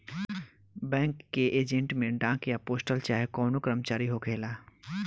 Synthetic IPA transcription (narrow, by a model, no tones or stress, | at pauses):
bɛ̃ːŋkːeʔeːd͡ʒẽɳʈmẽɖãːkjapoːsʈəlt͡ʃaːɦekɔːnokɾəmt͡ʃaːɾiɦokʰeːlaː